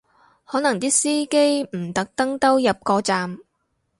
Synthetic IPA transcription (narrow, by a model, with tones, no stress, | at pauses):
hɔː˨˥nɐ˨˩ŋt̪iː˥siː˥ke˥jm̩˨˩t̪ɐ˨˦˥k̚t̪ɐ˥ŋt̪ɐ˥wjɐ˨p̚kɔː˧t͡saː˨m